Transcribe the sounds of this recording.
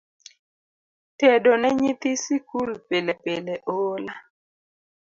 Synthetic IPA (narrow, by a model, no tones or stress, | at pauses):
tɛdonɛɲit̪isikulpelɛpelɛʔola